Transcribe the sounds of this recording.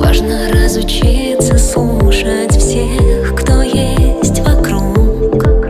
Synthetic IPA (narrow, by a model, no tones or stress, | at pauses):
va̰ʐnəɾəzʊt͡ɕit̪səslˠuʂətʲfsʲexkt̪ojesʲtʲvɐkɾuk